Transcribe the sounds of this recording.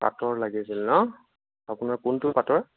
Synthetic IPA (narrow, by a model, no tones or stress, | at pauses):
pa̰tɔɹlaɡisilnɔ | apʊnaɹkʊntʊpatɔɹ